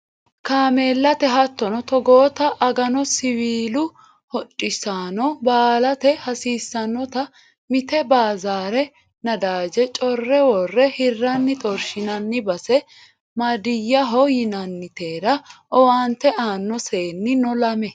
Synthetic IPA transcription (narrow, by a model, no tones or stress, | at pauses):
kaːmeːlːɐt̪ɛɦɐt̪ːɔnɔt̪ɔɡoːt̪ɐʔɐɡɐnɔsɪwiːlʊ | hɔt͡ʃʼːɪsaːnɔbaːlɐt̪ɛhɐsiːsːɐnːɔt̪ɐ | mɪt̪ɛbaːzaːɾɛ | nɐd̪aːd͡ʒɛt͡ʃʼɔrːɛwɔrːɛhɪrːɐnːɪt̪ʼɔɾʃɪnɐnːɪbɐsɛ | mɐd̪ɪjːɐɦɔjɪnɐnːɪt̪eːɾɐʔɔwaːnt̪ːɛʔaːnːɔse̞ːnːɪnɔlɐmɛ